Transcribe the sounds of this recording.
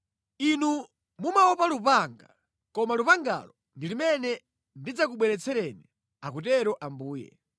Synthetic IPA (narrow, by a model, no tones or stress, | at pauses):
inu | mumaɔpalupaŋɡa | kɔmalupaŋɡa̰lɔ | ndilimɛnɛ | ndid͡zak̬uɓwɛɾɛt͡sʰɛɾɛnɛ | akutɛɾɔʔambuːjɛ̰